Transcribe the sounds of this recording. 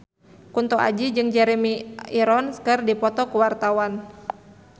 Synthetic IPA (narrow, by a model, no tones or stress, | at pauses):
kunt̪ɔʔa̰d͡ʒid͡ʒɨŋd͡ʒɛɾɛmiiɾɔnskɨrdipɔt̪ɔkuwart̪awan